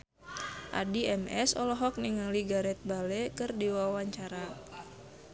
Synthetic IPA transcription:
ʔa̰diɛmɛsɔ̰lɔɦɔk̚niŋaliɡaɾɛt̪̚balɛkɨrdiwawaɲt͡ʃaɾa

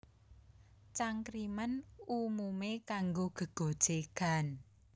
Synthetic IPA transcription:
t͡ʃaŋkɾimanumumekaŋɡoɡ̥ə̤ɡ̥o̤d̥ʒ̥eɡ̥a̤n

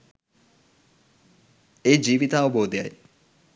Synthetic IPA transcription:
ed͡ʒiːʋit̪ɐːʋɐboːd̪ejaj

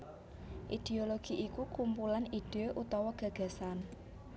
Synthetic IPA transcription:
ʔid̪̥eoloɡ̥i̤ʔikukumpulanid̥eoʔut̪ɔwɔɡ̥ä̤ɡ̥a̤san

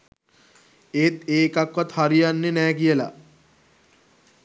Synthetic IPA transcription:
eːt̪eːkakːɔt̪haɾijanːenɛːkijela̰

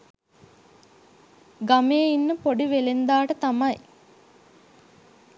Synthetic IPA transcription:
ɡameːinːəpoɖiʋelend̪aːʈət̪amɐj

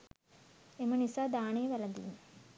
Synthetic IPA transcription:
emɐnisad̪aːɳeːʋɐlɐnd̪ḭjun

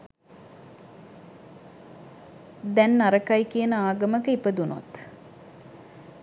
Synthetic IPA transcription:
d̪ɛnːaɾəkajkijənəaːɡəməkəipəd̪uno̰t̪

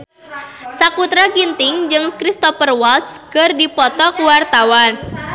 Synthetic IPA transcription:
sakut̪ɾaɡint̪ɪŋd͡ʒɨŋkɾist̪ɔfərwalt̪skɨrdipɔt̪ɔkuwart̪awan

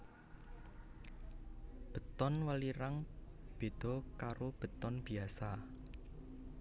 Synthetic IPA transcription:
b̥ə̤t̪ɔnwəliɾaŋb̥e̤d̪̥ɔ̤kaɾob̥ə̤t̪ɔnb̥i̤asa

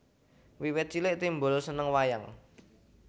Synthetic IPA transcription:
wiwɪt̪̚t͡ʃilɪʔt̪imbʊlsənəŋwajaŋ

